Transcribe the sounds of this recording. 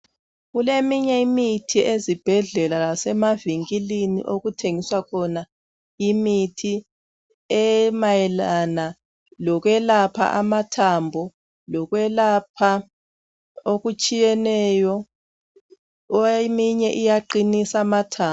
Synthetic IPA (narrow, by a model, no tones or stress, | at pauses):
ɣulemiɲɛimitʰiezib̥ʱɛɮɛlaasɛmaviŋkilinḭʔoɣutʰeŋiswakʰɔna | imitʰi | ɛmajɛlana | lɔkwɛlapʰa̰ʔamatʰambʱɔ | lɔɣwɛlapʰa | oɣut͡ʃʼijɛnɛjɔ | miɲɛʔijaǃinisamatʰaː